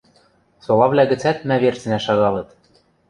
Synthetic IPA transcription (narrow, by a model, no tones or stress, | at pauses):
solɑvlʲæɣɘ̆t͡sæt̪mæβert͡sɘ̆næʃɑɣɑlˠɤ̆t̪